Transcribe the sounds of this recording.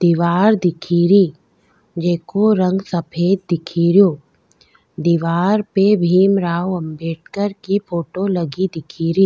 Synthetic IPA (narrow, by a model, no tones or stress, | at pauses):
d̪̥iːʋaːɾd̪ɪkʰiːɾiː | d͡ʒeːkoɾə̃ŋɡsɐpʰeːd̪̚d̪ɪkʰiːɾijoː | d̪iʋaːɾpebʱiːmɾaːwɐmbeːʈ̚kəɾkipʰoːʈolɐɡid̪ɪkʰiːɾiː